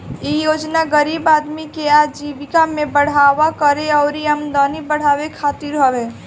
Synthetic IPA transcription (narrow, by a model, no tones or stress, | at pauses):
jejoːd͡ʒnaɡəɾiːbaːd̪mikeaːd͡ʒiːʋɪkamẽbəɽ̤aːʋakəɾeɔːɾiəmd̪ɔːnibəɽ̤aːwekʰaːt̪iɾɦowe